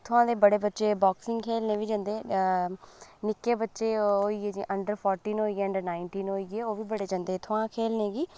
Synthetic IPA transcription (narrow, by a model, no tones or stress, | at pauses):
t̪ʰʊãːd̪eːbəɽeːbətːʃeːbɔːksɪ̃ŋɡkʰeːlneːʋiːd͡ʒãːnd̪eː | nɪkːeːbətːʃeːɦoːiːeːd͡ʒĩːʔəɳɖəɾpʰɔːɾʈiːnɦoːiːeːəɳɖəɾnaːɪɳʈiːnɦoːiːɡeːoːʋiːbəɽeːd͡ʒãːnd̪eːt̪ʰʊãːkʰeːlneːɡiː